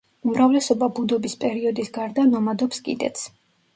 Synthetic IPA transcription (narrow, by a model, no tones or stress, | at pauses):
umɾavlɛsɔbabud̪ɔbispʼɛɾiɔd̪isɡaɾd̪anɔmad̪ɔpskʼḭd̪ɛ̰t̪sʰ